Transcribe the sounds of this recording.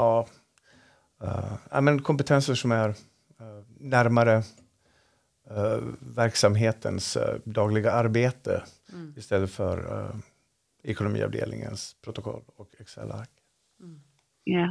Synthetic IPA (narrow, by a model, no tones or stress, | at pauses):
ɑː | næ̰ɪmɛnkʰɔmpət̪ʰɛnsəʂɔmæɾ | næɾmaɾə | væɾksamɦeːt̪ʰə̰nsd̪ɑːɡlɪɡaaɾbeːt̪ə̰ɪst̪ɛlːəfœ̰ɾ | ɛkʊnʊmḭːɑ̰vd̪ḛːlnɪ̰ŋə̰nspʰɾʊt̪ʊkʰɔ̰lːɔkɛksɛ̰lːa̰ɾk